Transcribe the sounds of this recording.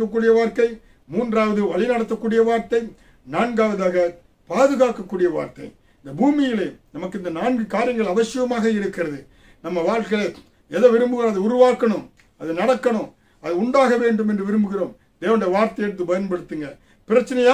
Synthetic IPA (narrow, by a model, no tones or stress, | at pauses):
kːɐkːuːɽɪjɐʋaːɾt̪ɐɪ | muːndraːʋɐðɯʋɐɭɪnɐɽɐt̪ːɐkːuːɽɪjɐʋaːɾt̪ɐɪ | naːnɡaːʋɐðaːɣɐ | paːðɯɣaːkːɐkːuːɽɪjɐʋa̰ːɾt̪ɐɪ | ɪnd̪ɐbuːmɪjɪleːnɐmɐkːɯɪnd̪ɐnaːnɡɯkaːɾɪjɐŋɡɐɭɐʋɐsɪɣɐmaːɣɐɪɾɯkːɪrɐðɯ | nɐmːɐʋaːɭkɐɭeː | ɛðɐʋɪɾɯmbɯɣɪɾɐmɐðɯʊɾʊʋaːkːɐɳɯ̃m | ɐðɯnɐɽɐkːɐɳɯm | ɐðɯʊɳɖaːɣɐʋeːɳɖɯmɛndrɯʋɪɾɯmbɯɣɪɾoːm | d̪eːʋɐnɽɐjɐʋaːɾt̪ɐɪjɛɽɯt̪ːɯpɐjɐnpɐɽɯt̪ːɯŋɡɐɭ | pɪɾɐt͡ʃːɐnɐjaː